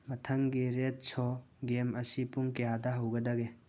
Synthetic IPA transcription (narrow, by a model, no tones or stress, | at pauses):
mɐtʰɐŋɡiɾet̚sʰɔɡemɐsipuŋkɐjadɐɦɐwɡɐdɐɡe